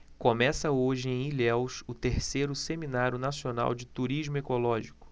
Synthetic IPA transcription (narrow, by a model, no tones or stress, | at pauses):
kõmɛsɐoʒɪẽj̃iʎɛwsʊt̪eɾsejɾʊseminaɾjʊnasiona̰wd͡ʒɪt̪uɾiʒmʊekolɔʒikʊ̥